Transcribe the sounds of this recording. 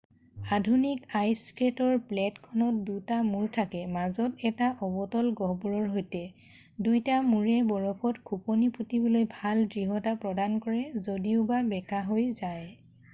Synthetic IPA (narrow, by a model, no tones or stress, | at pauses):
adʱunikajskɹetɔɹplɛtkʰɔnɔt̚dutamuɹtʰakɛmazɔtɛtaʔɔbɔtɔlɡɔɦbɔɹɔɹɦojtɛ | dujtamuɹɛbɔɹɔpʰɔtkʰupɔniputibɔlojbʱaldɹiɦɔtapɹɔdankɔɹɛzodiʊbabɛkaɦojzaj